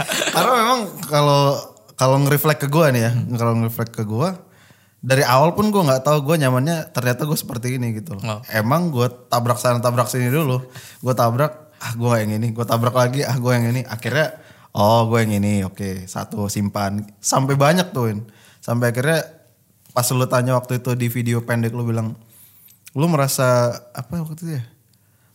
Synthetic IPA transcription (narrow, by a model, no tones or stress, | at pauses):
kaɾnamemaŋkalokaloŋəɾiflɛkːəɡuanijakaloŋəɾiflɛkːəɡua | daɾiawalpʊnɡuaŋɡaʔt̪auɡuaɲamanɲat̪ərɲat̪aɡuasə̥pərt̪iːniɡit̪ulɔemaŋɡuat̪abɾak̚sanat̪abɾak̚siniduluɡuat̪abɾak̚ | ahɡuaajaŋiniɡuat̪abɾak̚laɡiahɡuɛjaŋinia̰kirɲa | ɔɡuajaŋiniokesa̰t̪usimpansampebaɲak̚t̪ʊɪn | sampeakirɲa | paslut̪aɲawak̚t̪uit̪udifideopɛndɪk̚lubilaŋ | lʊməɾasaapawak̚t̪uja